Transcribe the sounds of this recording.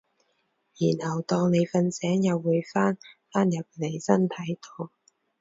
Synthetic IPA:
jiː˨˩nhɐ˨˩wt̪ɔː˧ŋne˨˧jfɐ˧nsɛː˨˥ŋjɐ˨wːuː˨˧jfaː˥nfaː˥njɐ˨p̚le˨˧jsɐ˥nt̪ʰɐ˨˥jt̪o˧w

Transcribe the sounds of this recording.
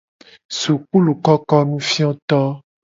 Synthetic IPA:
su˨k͡pu˦lu˨kɔ˦kɔ˦nũ˦fi˦ɔ̃˦t̪ɔ˦

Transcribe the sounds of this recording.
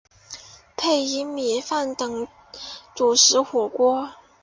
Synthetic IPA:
pʰe˥˩ɪi˧˥mjɛ˧˥fa˥˩nt̪ɤ˨˩ŋ | t͡su˨˩ʂɻ̩˧˥xwɔ˨˩kwɔ˥

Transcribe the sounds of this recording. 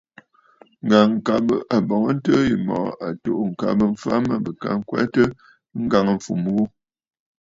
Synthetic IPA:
ŋ̩˨ɡa˨ŋ˨ka˨bə˨ʔa˨bɔ˨ŋə˦n̩˦tə˦ji˨mɔ̰˨a˨to˨ʔŋ̩˨ka̰˨bə˦ɱ̩˦fa˦mə˦˨bə˨ka̰˦˨ŋ˦kwɛ̰˦tə˦ | ŋ̩˦ɡa˨ŋə˨ɱ̩˨fu˨m˨ɣu˦

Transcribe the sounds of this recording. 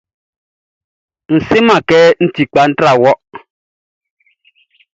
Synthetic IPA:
n̩˨sɪ˦ma˨kɛː˦n̩˦ti˨k͡pa˨˦n̩˦tɾa˨wɔ˦ʔ

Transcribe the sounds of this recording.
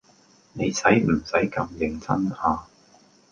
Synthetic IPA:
ne˨˧jsɐ˨˥jm̩˨˩sɐ˨˥jkɐ˧mjɪ˨˧ŋt͡sʰɐ˥naː˧

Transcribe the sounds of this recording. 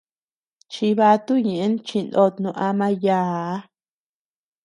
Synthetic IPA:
t͡ʃi˧βa˧t̪u˦ɲẽ˨ʔe˦nt͡ʃi˧no˧t̪nũ˧ʔa˧mã˧ja˦˧˨

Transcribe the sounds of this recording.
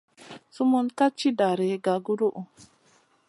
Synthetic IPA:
su˦mɔ˦nka˦t͡ʃːi˦da˨ɾɛ˨ɡa˨ɡu˦ɾu˦ʔu˨

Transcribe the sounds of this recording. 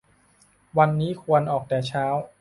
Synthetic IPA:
wa˧nːiː˦˥kʰu˧ənʔɔː˨˩k̚t̪ɛː˨˩t͡ɕʰaː˦˥w

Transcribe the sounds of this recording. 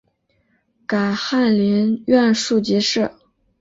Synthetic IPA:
ka˨˩ɪxa˥˩nli˧˥nɥɛ˥˧nʂu˥˩t͡ɕi˧˥ʂɻ̩˥˩

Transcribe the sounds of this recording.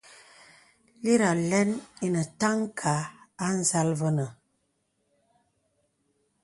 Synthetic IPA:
li˦ɾa˨lɛ˦ni˦nə˨ta˦ŋ˦kʰaː˨˦n̩˦za˦lvə˦nə˨

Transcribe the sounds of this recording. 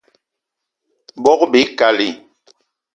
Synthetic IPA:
bɔ˦kbe˨˦ka˨li˨

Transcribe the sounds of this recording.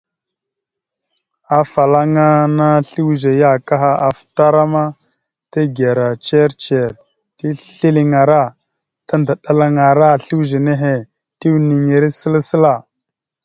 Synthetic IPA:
a˨fa˨la˦ŋa˦na˦ɬi˦wʒe˨ja˦˨ka˦ɦa˦a˨fta˦ɾa˦ma˦ | ta˦ɡe˨ɾa˨t͡ʃe˦ɾt͡ʃe˨ɾ | ti˦ɬi˦li˦ŋa˨ɾa˦˨ | ta˦nda˨ɗa˦la˦ŋa˨ɾa˦˨ɬi˦wʒe˨ne˦ɦe˨ | ti˦wni˨ŋe˨ɾe˦sə˦lsə˦la˨

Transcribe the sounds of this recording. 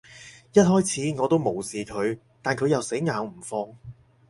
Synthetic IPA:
jɐ˥t̚hɔː˥jt͡sʰiː˨˥ŋɔː˨˧t̪o˥wmo˨˩wsiː˨kʰɵ˨˧ɥ | t̪aː˨nkʰɵ˨˧ɥjɐ˨wse˨˥jŋaː˨˧wm̩˨˩fɔː˧ŋ

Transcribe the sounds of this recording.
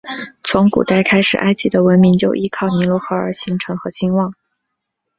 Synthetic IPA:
t͡sʰʊ˧˥ŋkṵ˨˩t̪a˥˩ɪkʰa˥ɪʂɻ̩˨˩ʔa˥ɪt͡ɕi˧˥d̪ə˧wə˧˥nmi˧˥ŋt͡ɕjo˥˧ʊʔi˥kʰɑ˥˩ʊni˧˥lwɔ˥xɤ˧˥ə̰˞˨˩ɕi˧˥ŋʈ͡ʂʰɤ˧˥ŋxɤ˧˥ɕi˥nwɑ˥˩ŋ

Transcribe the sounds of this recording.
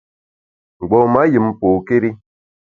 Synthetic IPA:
ŋ͡m̩˨ɡ͡bɔ˨ma˦jɨ˨m˨po˨ke˦ɾi˦

